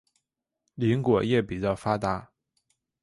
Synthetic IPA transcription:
li˧˥ŋkwɔ˨˩jɛ˥˩pi˨˩t͡ɕjɑ˥˩ʊfa˥t̪a˧˥

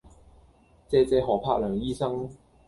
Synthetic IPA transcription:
t͡sɛː˧t͡sɛː˨˧ɦɔː˨˩pʰaː˧k̚lœː˨˩ŋjiː˥sɐ˥ŋ

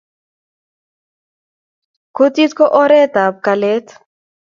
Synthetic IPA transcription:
ko˦ti˦tkɔ˦ʔɔ˦ɾɛ˦ta˨p̚ka˨lɛ˦t

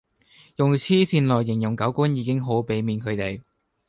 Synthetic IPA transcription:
jʊ˨ŋt͡sʰiː˥siː˧nlɔː˨˩jːɪ˨˩ŋjʊ˨˩ŋkɐ˨˥wku˥njiː˨˧kɪ˥ŋɦo˨˥wpe˨˥jmiː˨˧nkʰɵ˨˧t̪e˨j

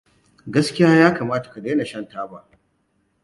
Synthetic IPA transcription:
ɡɐ˦skʲɪ˦jaː˦jaː˦kaː˨maː˦tḁ˨ka˨deː˦na˨ʃɐ˦ntaː˦baː˦

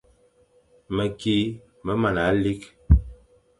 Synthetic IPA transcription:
mə˨ki˦ | mə˦ma˨na˨˦li˦k

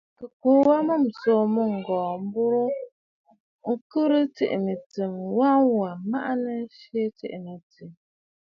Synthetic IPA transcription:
kɨ˨koː˨˦wa˦mɨ˦˨m̩˨so˦˨mu˦ŋ̩˨ɡɔː˨m̩˦bu˦ɾo˦ | ŋ̩˦kɨ˦ɾɨ˦tḭ˦˨ʔi˨mi˨tɨ˨mwa˦wa˨ma̰˦ʔa˦nə˦ʃe˦tḭ˦ʔmə˨ti˨m

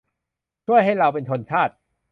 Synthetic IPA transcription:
t͡ɕʰu˥˩əjɦa˥˩jɾa˧wpe˧nt̪ʰo˧nt͡ɕʰaː˥˩t̪̚

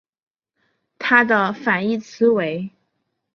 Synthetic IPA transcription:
t̪ʰa˥d̪ə˨fa˨˩ni˥˩t͡sʰɹ̩˧˥we˧˥ɪ

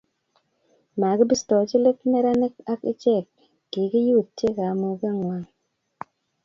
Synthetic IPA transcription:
ma˨ɡɪ˦bi˦stɔ˨˦t͡ʃi˦le˦k̚mɛ˦ɾa˦nɪ˦k̚a˦kɪ̰˦t͡ʃɛ˦˨kː | i˨˦ki˦ju˦˨ttːje˦ka˨˦mu˨ka˦˨ŋwa˦˨ŋ

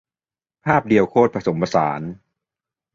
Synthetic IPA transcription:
pʰaː˥˩p̚di˨˩əwkʰoː˥˩t̪̚pʰɾa˧so˩˦mpʰa˧sa̰ː˩˦n

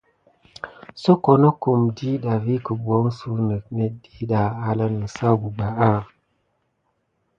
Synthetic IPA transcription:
so˦ko˨no˦ku˨mdi˦ɗa˨vi˦kə˨bwo˨˦ŋ˦su˦nə˨k̚nə˨di˦ɗa˨a˦la˦nə˨sa˦ɡu˨ɡ͡ba˨a˦

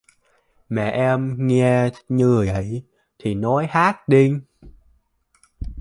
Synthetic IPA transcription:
mɛ̰˧˨ʔɛ˧mŋɛ˧ɲɨ˧˨˩jʔə̰˧˩˨j | t̪ʰi˨˩nɔ˨˦jhaː˦˥k̚ɗi˧

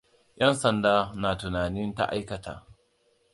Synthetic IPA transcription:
jʔɐ˦nsɐ˨ndaː˦naː˨tʊ˨naː˨nɪ˦nta̰˦ʔa̰˦jkɐ˨tʰa̰ː˨ʔ

